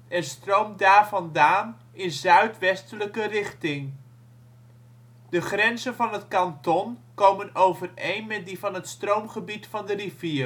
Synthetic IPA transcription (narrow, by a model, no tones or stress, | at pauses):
ɛnstrowmdaːɹvɑndaːn | ɪnzœɥtʋɛstələkərɪχtɪŋ | d̥əχrɛnzənvɑnɦətkɑntɔnkowmənowvərejnmɛt̚divɑnɦətstrowmχəbitfɑndəriviː